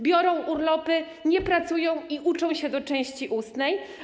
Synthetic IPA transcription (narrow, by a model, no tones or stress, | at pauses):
bʲjɔɾɔ̃w̃ʔuɾlɔpɘ | ɲɛpɾat̪sujɔ̃w̃iʔut͡ʂɔ̃w̃ɕɛd̪ɔt͡ʂɛ̃w̃ɕt͡ɕiʔust̪nɛj